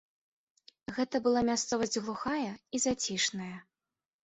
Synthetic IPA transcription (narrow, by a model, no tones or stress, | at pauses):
ɣɛt̪ɐbɨlˠamʲast̪sɔvɐzʲd͡zʲɣlˠuxajɐizat͡sʲiʂnɐjɐ